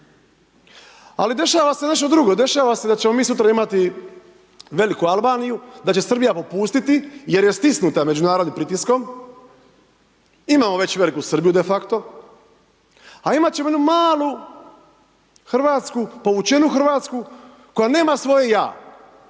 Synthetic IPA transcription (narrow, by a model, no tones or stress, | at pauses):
a̰lid̪e̞ʃaːʋase̞ne̞ʃt̪od̪ɾuɡo̞d̪e̞ʃaːʋase̞d̪at͡ɕemo̞miːsut̪ɾaimat̪i | ʋe̞likualbaːnijud̪at͡ɕe̞sr̩bijapo̞puːst̪it̪ije̞ɾje̞st̪isnut̪ame̞d͡ʑunaːɾod̪nimpɾit̪isko̞m | imaːmo̞ʋe̞t͡ɕʋe̞likusr̩bijud̪e̞fakt̪o̞ | aimat̪t͡ɕe̞moenumaːlˠu | xr̩ʋaːt̪skupo̞ʋut͡ʃe̞nuxr̩ʋaːt̪sku | ko̞jane̞ːmasʋo̞je̞ja̰ː